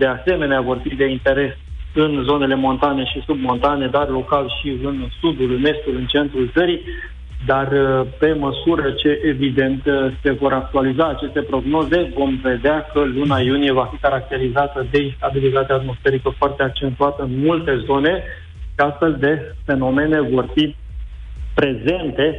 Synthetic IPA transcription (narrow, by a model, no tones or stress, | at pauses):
d̪e̞ase̞me̞neavo̞rfid̪e̞int̪e̞ɾe̞sɨnzo̞ne̞le̞mo̞nt̪ane̞ʃisub̚mo̞nt̪ane̞d̪arlo̞kalʃiɨnsud̪ulme̞sk̪ulɨnt͡ʃe̞nt̪ɾult̪səɾi | d̪arpe̞məsuɾət͡ʃe̞ʔevid̪e̞nt̪se̞vo̞ɾak̚t̪ualizaːt͡ʃe̞st̪e̞pɾo̞ɡno̞ze̞vo̞mve̞d̪eakəlunajunije̞vafikaɾak̚t̪e̞ɾizat̪əd̪e̞ist̪abilit̪at̪eaːt̪mo̞sfe̞ɾikəfoart̪e̞ak̚t͡ʃe̞nt̪uat̪əɨnmult̪e̞zo̞ne̞ | ʃiast̪fe̞ld̪e̞fe̞no̞me̞ne̞vo̞rfi | pɾe̞ze̞nt̪e̞